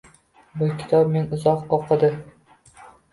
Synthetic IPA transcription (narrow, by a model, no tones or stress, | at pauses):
bʊkʲʰɪ̥t̪ʰɒp̚menʊzɒqɒqʰːɑd̪ɪ